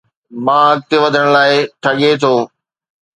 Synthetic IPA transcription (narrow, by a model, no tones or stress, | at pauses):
mãːɐk̚t̪eʋɐd̪ʱəɽ̃laːɪʈʰɐɠet̪ʰoː